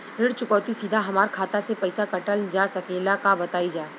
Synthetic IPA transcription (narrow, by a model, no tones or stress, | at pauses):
ɾɪɽt͡ʃʊkɔːt̪isid̪ʱaɦɐmaːɾkʰaːt̪asepɛɪsakɐʈəld͡ʒaːsɐkeːlakabɐt̪aːid͡ʒaː